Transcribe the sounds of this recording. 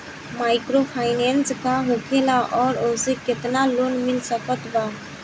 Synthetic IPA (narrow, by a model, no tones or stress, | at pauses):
majkɾopʰajnenskaɦokʰelaʔɔɾosekɪt̪nalonmilsəkət̪ba